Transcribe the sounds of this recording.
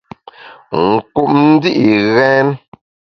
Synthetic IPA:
ŋ̩˨ku˨p̚n̩˦di˦ʔi˨ɣɛ˦n

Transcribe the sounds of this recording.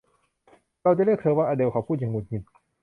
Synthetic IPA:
ɾa˧wt͡ɕa˧˨le˥˩kt̪ʰɤː˧˦waː˧ʔaː˧de˧˨wkʰa˨˧˩wpʰuː˥˩t̪̚ɲa˧ŋu˨˩t̪̚ɲi˨˧˩n̚

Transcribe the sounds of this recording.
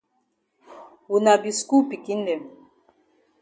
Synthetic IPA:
wu˨na˨bi˨sku˦pi˨ki˦n˦dɛ˨m

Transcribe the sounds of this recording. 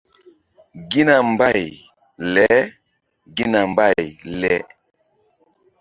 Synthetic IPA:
ɡi˦na˨mba˦˨j | lɛ˨˦ | ɡi˦na˨mba˦˨jlɛ˦

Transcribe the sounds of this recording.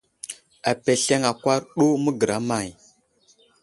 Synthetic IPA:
a˨pe˨ɬe˦ŋa˨kʷa˦ɾɗo˦mə˦ɡə˨ɾa˨˦ma˨j

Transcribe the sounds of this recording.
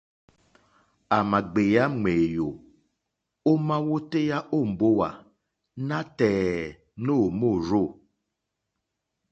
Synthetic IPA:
a˨ma˨ɡ͡be˨ja˦ŋ͡me˨jo˨ | o˦mã˦wo˦te˦ja˦ʔo˦˨m̩˨bo˦wa˨ | nã˦tɛ˨ | no˦˨mo˦˨ɾo˦˨

